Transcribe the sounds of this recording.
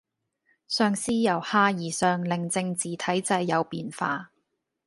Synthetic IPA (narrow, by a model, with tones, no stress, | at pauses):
sœː˧ŋsiː˥jɐ˨˩whaː˧jiː˨˩sœː˨ŋlɪ˨˩ŋt͡sɪ˧ŋt͡siː˨˩t̪ʰɐ˨˥jt͡sɐ˧jːɐ˨˧wpiː˨˧nfaː˧